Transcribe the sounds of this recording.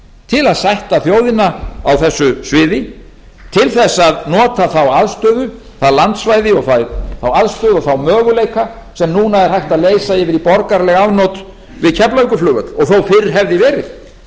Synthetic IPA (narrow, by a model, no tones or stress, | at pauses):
t̪ʰɪlaðsajht̪aθjoːwðɪnaawθɛsːʏsvɪːðɪ | t̪ʰɪlθɛsːaðnɔːt̪aθawaðst̪œːðʏ | θaðlant̪svajðɪɔɣθaθawaðst̪œːðɔθawmœːɣʏlejka | sɛmnuːnaɛɾ̥hajht̪aðleːjsaɪvɪðipɔɾkaɾlɛɣavnowt̪ | vɪðcʰɛplaɥŋkʏflʏːɣʏt̪ɔɣθowfɪɾɪɾ̥ɦɛvðɪvɛːɾɪð